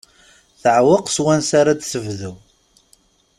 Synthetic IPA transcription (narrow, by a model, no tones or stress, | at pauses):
θəʕwəqswænsaɾad̪səvðuw